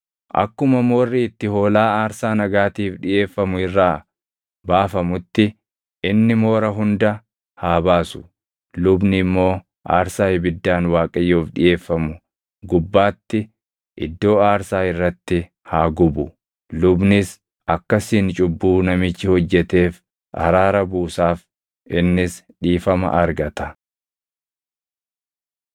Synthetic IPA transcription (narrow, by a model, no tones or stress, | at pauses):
ʔɐ̰kːʊmɐmo̞ːrːɪɪt̪ːɪho̞ːlaːaːɾsaːnɐɡaːt̪iːfᶑɪjʔe̞ːfːɐmʊɪrːaː | baːfɐmʊt̪ːɪ | ʔɪnːɪmo̞ːɾɐɦʊnd̪ɐ | haːbaːsʊ̥ | lʊbnɪmːo̞ː | ʔa̰ːɾsaːhɪbɪd̪ːaːnwaːkʼɐjːoːfᶑɪ̰jʔe̞ːfːɐmʊ | ɡʊbːaːt̪ːɪ | ʔɪ̰d̪ːo̞ːaːɾsaːɪrːɐt̪ːɪ | haːɡʊbʊ | lʊbnɪs | ɐkːɐsiːnt͡ʃʼʊbːuːnɐmɪt͡ʃːɪhɔd͡ʒːɛt̪e̞ːf | ʔɐ̰ɾaːɾɐbuːsaːf | ʔɪnːɪs | ᶑiːfɐmɐ̰ʔɐɾɡɐt̪ɐ